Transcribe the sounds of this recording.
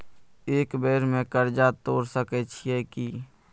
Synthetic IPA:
eːkbeːɾmẽkəɾd͡ʒat̪oːɾsəkɛt͡ʃʰiɛki

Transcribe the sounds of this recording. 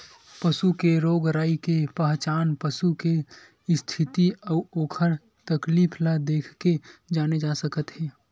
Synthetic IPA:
pəsukeɾoːɡɾaːikepəɦt͡ʃaːnpəsuke | st̪ʰɪt̪iɔːoːkʰəɾ | t̪əkliːpʰlad̪eːkʰked͡ʒaːned͡ʒaːsəkət̪ɦɛː

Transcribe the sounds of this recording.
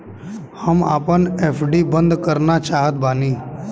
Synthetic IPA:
həmaːpəneːpʰɖibə̃nd̪kəɾnat͡ʃaːɦət̪̚baːniː

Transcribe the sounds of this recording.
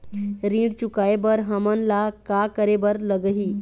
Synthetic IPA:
ɾĩːɽt͡ɕukajbəɾɦəmənlakakəɾebəɾləɡɦiː

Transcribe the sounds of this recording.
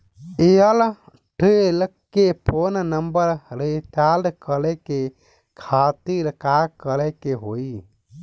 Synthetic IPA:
eəl | ʈəlkepʰonnəmbəɾɾet̪alɖkəlɛke | kʰat̪iɾkakəɾɛkeɦoi

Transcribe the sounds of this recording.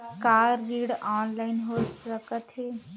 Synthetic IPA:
kaːɾːiːɽɔːnlaːɪnɦoːsəkət̪ɦeː

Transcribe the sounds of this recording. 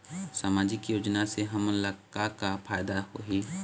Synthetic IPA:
saːmaːd͡ʒɪkjoːd͡ʒnaseɦɐmləkakapʰaːjd̪aɦoɦi

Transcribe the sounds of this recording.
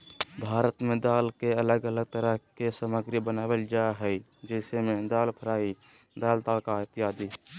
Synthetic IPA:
bʱaːɾət̪mẽd̪aːlkeələɡələɡ̚t̪əɾəɦkesəməɡɾibənaːwəld͡ʒaɦəi | d͡ʒɛɪsemẽd̪aːlpʰəɾaːi | d̪aːlt̪aːlkaɪt̪ɪjaːd̪i

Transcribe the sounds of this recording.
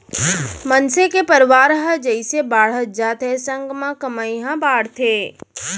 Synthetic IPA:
mənsekepəɾʋaːɾɦəd͡ʒəɪsebaːɽ̤əd͡ʒaːt̪ʰesə̃ŋɡmãkəmaĩɦãbaːɽt̪ʰeː

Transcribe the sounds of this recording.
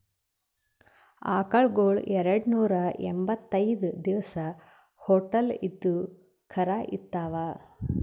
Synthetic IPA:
a̰ːkɐɭɡoːɭɛɾɐɽnuːɾɐḛmbɐt̪ːɐjd̪ud̪iʋɐsɐ | hoːʈɐlid̪ːu | kʰɐɾaːʔit̪ːaːʋaː

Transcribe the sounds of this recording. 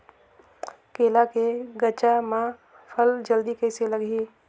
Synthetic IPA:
keːlakeɡət͡ʃamã | pʰəld͡ʒəld̪ikəɪseləɡiː

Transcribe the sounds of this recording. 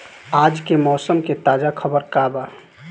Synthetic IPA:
aːd͡ʒkemɔːsəmket̪aːd͡ʒakʰəbəɾkaːba

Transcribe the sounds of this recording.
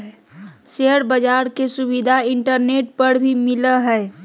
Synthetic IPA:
seɦəɾbəd͡ʒaːɾkesʊbid̪ʱaɪɳʈəɾneːʈ̚pəɾbʱimɪləɦɛː

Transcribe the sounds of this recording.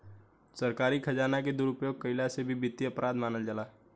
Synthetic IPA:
səɾkaːɾikʰɐd͡ʒaːnaked̪ʊɾʊpjoːɡ̚kəɪlasebʱibɪt̪ːiəpɾʔaːd̪maːnəld͡ʒəlaː

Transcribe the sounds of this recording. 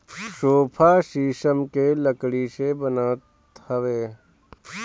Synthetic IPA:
ʃoːpʰaːʃiːʃəmkeləkɽiːʃebənaːt̪ | hɐʋeː

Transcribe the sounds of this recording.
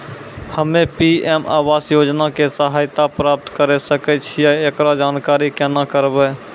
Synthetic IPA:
həmepiema̰ʋasjod͡ʒnakesəɦajt̪apɾap̚t̪kəɾɛsəkɛt͡ʃʰijaekɾad͡ʒaːnkaɾikɛnakəɾbɛ

